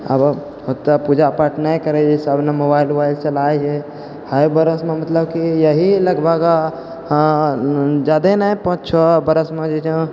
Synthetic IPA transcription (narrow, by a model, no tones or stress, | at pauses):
ə̰b | ɦot̪ːapud͡ʒapaʈnaikəɾed͡ʒesabnemobailbailt͡ʃəlajɦe | həjbəɾəsmemət̪ləbkijəɦiləɡbəɡa | d͡ʒad̪enajpə̃t͡ʃʰɔbəɾəsmed͡ʒed͡ʒə̃